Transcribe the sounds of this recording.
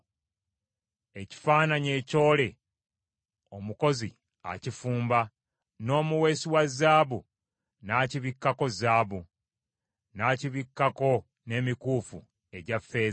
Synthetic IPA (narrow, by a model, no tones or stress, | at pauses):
e̞ci̥faːnaɲe̞ːco̞ːle̞ | o̞muko̞zi | a̰cifuːmba | no̞ːmuwe̞ːsiwazaːβu | naːciβikːako̞zaːβu | naːciβikːako̞ | ne̞ːmikuːfṵ | e̞ɟafe̞ː